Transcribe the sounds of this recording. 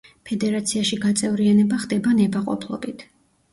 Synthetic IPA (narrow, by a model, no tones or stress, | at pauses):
pʰɛd̪ɛɾat̪sʰiaʃiɡat̪sʼɛvɾianɛbaχd̪ɛbanɛbaqʼɔ̰pʰlˠɔ̰bit̪ʰ